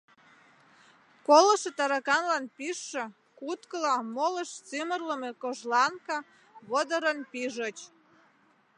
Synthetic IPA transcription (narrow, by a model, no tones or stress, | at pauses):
koləʃet̪ɑɾɑkɑnlɑnpiʃːĕ | kut̪kəlɑmoləʃt͡simərləmekoʒlɑnkɑ | βod̪əɾənpiʒət͡ɕ